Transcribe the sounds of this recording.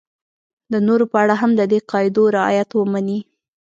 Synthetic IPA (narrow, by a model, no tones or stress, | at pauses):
d̪ənoɾopəaɽaɦamd̪əd̪eqɑjɪd̪oɾɪɑ̰jat̪wəmani